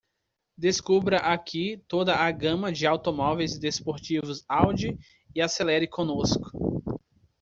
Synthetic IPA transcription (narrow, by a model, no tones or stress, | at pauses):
d̪eskubɾɐʔakʰit̪od̪ɐaɡɐ̃mɐd͡ʒɪawt̪omɔvejzd̪espoɾt͡ʃivʊzawd͡ʒi | ɪaselɛɾɪkõnoskʊ̥